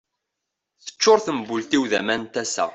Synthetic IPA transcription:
θə̥t͡ʃːʊɾθəmbult̪iwðæmænt̪æsæ̰

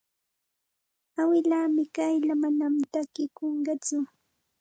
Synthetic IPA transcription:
awɪlaːmɪkajʎamanamt̪akɪkoɴɢɑt͡sʊ

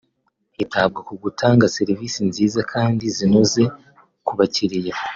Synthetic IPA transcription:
itʰab̚ɡakuɡutʰaːŋɡase̞ɾivisinziːzakʰaːndizinoze̞ | kuβaciɾija

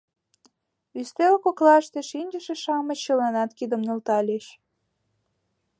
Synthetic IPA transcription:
yst̪elkoklɑʃt̪eʃinʲd͡ʑəʃeʃɑmət͡ɕːəlɑnɑt̪kid̪ə̆mnə̆lt̪ɑlʲeʃ

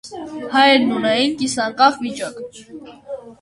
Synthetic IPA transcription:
hɑjɛɾnunɛjinkisɑɾkɑχvit͡ʃɑk

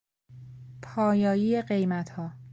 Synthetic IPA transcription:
pʰɒːjɒːjiːeɢe̞jmæt̪ʰhɒː

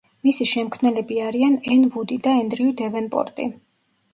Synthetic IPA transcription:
misiʃɛmkʰmnɛlɛbiaɾianɛnvud̪id̪aɛnd̪ɾiud̪ɛvɛnpʼɔ̰ɾt̪ʼḭ

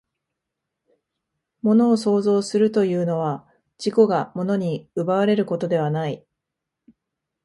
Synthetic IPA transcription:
mo̞no̞ːso̞ːzo̞ːsɨɾɯ̟t̪o̞jɯ̟ːno̞β̞a | d͡ʑ̥iko̞ɡamo̞no̞ɲ̟iɯ̟baβaɾe̞ɾɯ̟ko̞t̪o̞d̪e̞β̞anai

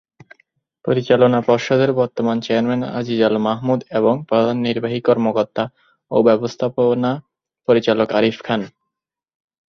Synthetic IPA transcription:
pɾoɾit͡ɕalonapɔɾʃod̪ʱeɾbɔɾt̪omant͡ɕeaɾmena̰d͡ʑid͡ʑalmaɦmud̪eβoŋpɾod̪ʱanːiɾbaɦikɔɾmokoɾt̪ːa | obɛbost̪ʰapona | poɾit͡ɕalokaɾifkʰan

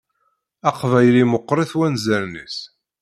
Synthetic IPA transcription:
ɑqvæjlimʊqːɾˤiθwænzælnḭs

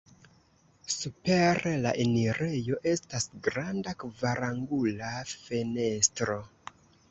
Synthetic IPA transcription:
supe̞ɾela̰ʔeniɾe̞jo̞ʔe̞stasɡɾandakvaɾaŋɡulafene̞stɾo̞

